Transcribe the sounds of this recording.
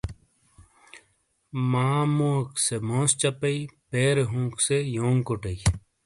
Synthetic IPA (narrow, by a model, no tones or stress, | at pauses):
maːmõːksemõːst͡ɕɐpɐipeːɾɦũːksejoːŋkoʈɐi